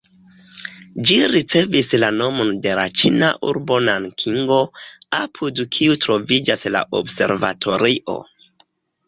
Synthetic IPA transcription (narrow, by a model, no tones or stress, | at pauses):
d͡ʒiɾit͡se̞vislano̞mo̞nde̞la̰t͡ʃina̰ʔṵɾbo̞nankʰiŋɡo̞apʰudkʰiutɾo̞vid͡ʒasla̰ʔo̰bse̞̰ɾva̰tʰo̞ɾiʔo̞̰